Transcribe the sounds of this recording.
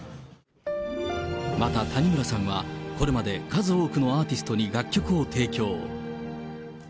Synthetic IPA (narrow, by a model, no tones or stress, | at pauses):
mat̪at̪aɲ̟imɯɾasãɰ̃βako̞ɾe̞mad̪e̞kazɨoːkɯ̟no̞aːt̪ʲisɨ̥t̪o̞ɲ̟iɡakʲːo̞kɯ̟o̞t̪ʰe̞ːkʲo̞ː